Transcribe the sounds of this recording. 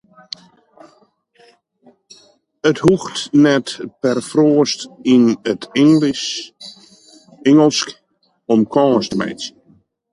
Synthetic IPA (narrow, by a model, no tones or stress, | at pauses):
əthuxtnɛtpɛrfroəstinətl | ɪŋəlˠsk | ɔmkʰɔːstmɛ̰js